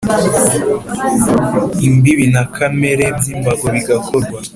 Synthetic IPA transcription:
imbiβinakʰame̞ɾe̞bziːmbaɡoβiɡakʰoɾɡwa

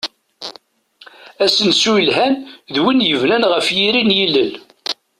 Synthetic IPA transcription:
æsənsujlɦænðwinjəvnænʁəfjiɾinjilːəl

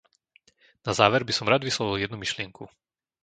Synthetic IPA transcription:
nazaːʋɛɾbisɔmɾad̪ʋislɔʋiljɛd̪numiʃlɪɛŋkʰu

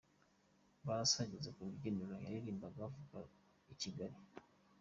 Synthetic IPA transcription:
βasaɟizekuliɟendulaja̰jiɾiːmbaɡavuɡa | iciɡaɾi

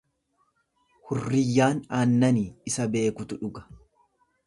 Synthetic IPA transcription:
hʊrːɪjːaːnaːnːɐniːɪsɐbe̞ːkʊt̪ʊᶑʊɡɐ̥

